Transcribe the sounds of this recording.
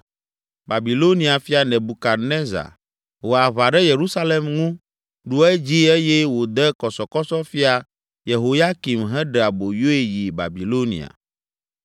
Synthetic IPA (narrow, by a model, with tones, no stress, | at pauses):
ba˨bi˨lo˦nĩ˦a˨fi˦a˨nɛ̃˨bu˨ka˨ɾne˦za̰˨ | wo˨a˨βa˨ɖɛ˦je˨ɾu˦sa˦le˦mŋũ˦ | ɖu˦ɛ˦d͡ʑi˦e˦jɛ˦wo˨d̪ɛ˦kɔ˨sɔ˨kɔ˦sɔ˦fi˦a˨ | je˨ɦo˨ja˦ki˨mɦɛ̃˦ɖɛ˨a˨bo˨jo˦e˨ji˨ba̰˨bi˨lo˦nḭ̃˨a̰˨